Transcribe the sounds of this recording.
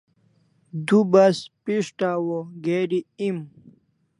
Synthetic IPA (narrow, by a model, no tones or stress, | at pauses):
d̪ubɐspiʂʈaːwoɡeːɖiim